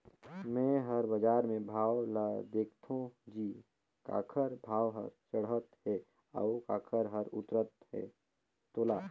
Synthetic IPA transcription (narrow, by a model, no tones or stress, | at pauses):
mɛ̃ɦəɾbəd͡ʒaːɾmẽbʱaːwlad̪eːkʰt̪ʰõd͡ʒiː | ka̰ːkʰəɾbʱaːwɦə̰ɾsəɽɦət̪ɦɛ | a̰ʊkaːkʰəɾɦəɾʊ̰t̪ɾət̪ɦḛ | t̪oːlaː